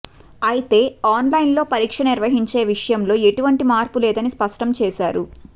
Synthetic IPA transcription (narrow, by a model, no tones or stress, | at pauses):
ɐjit̪e̞ːaːnlɐjnlo̞ːpɐɾiːkʂɐniɾʋɐɦiɲt͡ʃe̞ːʋiʂɐjɐmlo̞ːe̞ʈuʋɐɳʈimaːɾpulɛːd̪ɐnispɐʂʈɐmt͡ʃɛːʃaːɾu